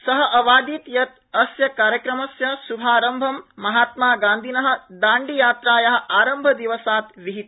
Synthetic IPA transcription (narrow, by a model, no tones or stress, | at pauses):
sɐɦɐ̆ʔɐʋaːd̪it̪jɐt̪ | ɐsjɐkaːɾjɐkɾɐmɐsjɐsubʱaːɾɐmbʱɐmːɐɦaːt̪maːɡaːnd̪ʱinɐɦɐ̆d̪aːɳɖijaːt̪ɾaːjɐɦɐ̆ʔaːɾɐmbʱɐd̪iʋɐsaːt̪ʋiɦit̪̚